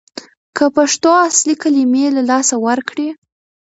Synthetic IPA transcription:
kʰəpaʂt̪oaslikalimelalɑsawəɾkɽe

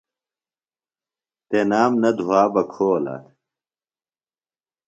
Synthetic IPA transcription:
t̪enaːmnɐd̪ʱuwaːbɐkʰoːla̰

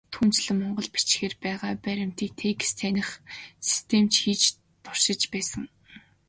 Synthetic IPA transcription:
t̪ʰuːn̥t͡ɕɮɘ̆mːɔɴɢɞ̆ɮpi̥t͡ɕxeːrpæːʁaːpæɾʲɪ̆m̥t̪iːk̚t̪ʰeːkst̪ʰenʲɪ̆χsi̥st̪ʰemt͡ɕxiːt͡ɕ | t̪ʊr̥ʃɪ̆t͡ɕpæːsə̆ŋ

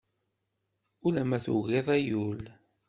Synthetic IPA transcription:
ulæmæθṵɣeðˤæjul

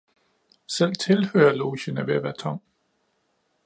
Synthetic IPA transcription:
sel̰t͡sʰe̝lhø̰ːɐlo̝ːɕənəʋeæʋæːɐt͡sʰɒ̽ŋ̰

